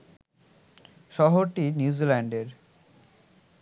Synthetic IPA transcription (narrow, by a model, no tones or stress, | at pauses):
ʃɔɦoɾʈinjuuzilɛɳɖeɾ